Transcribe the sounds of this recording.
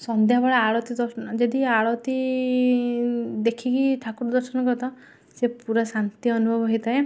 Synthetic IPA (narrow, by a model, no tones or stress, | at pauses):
sɔnd̪ʱjabaɭaaɭɔt̪id̪ɔɾnd͡ʒed̪iaɭɔt̪i | d̪ekʰikiʈʰakuɽd̪ɔɾsɔnɔkɔɾt̪ɔ | sepuɾasant̪iɔnubʱɔbɔɦit̪ae